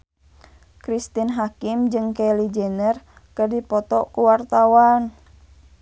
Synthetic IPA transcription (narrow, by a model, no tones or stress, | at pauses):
kɾist̪inɦakimd͡ʒɨŋkɛlid͡ʒɛnər | kɨrdipɔt̪ɔkuwart̪awan